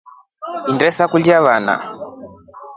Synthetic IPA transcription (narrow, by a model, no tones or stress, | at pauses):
indɛsakuljaβana̰